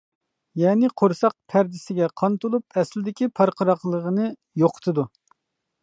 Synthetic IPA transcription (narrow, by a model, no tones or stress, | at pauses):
jɛːnɪqʰoɾsɑq̚pʰæɾd̪ɪsɪɡʲɛqʰɑnt̪ulˠupʰɛslɪd̪ɪkʲipʰɑɾqəɾɑqlˠəʁənɨ | joqʰə̥t̪ʰɨd̪u